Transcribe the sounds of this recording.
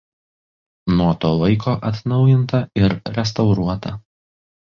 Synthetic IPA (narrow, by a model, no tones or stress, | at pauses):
nuɔt̪oːʋˠɐɪkʰoːʔɐt̪nɒʊjɪnt̪ɐɪɾɾʲɛs̬t̪ɐʊɾuɔt̪ɐ